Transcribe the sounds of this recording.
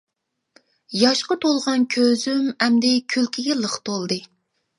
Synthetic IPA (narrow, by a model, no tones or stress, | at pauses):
jɑʃqɑt̪ʰolˠʁɑnkʲʰøzymɛmd̪ɛkʲʰylkʲʰiɡʲɛlˠəχt̪ʰolˠd̪ɨ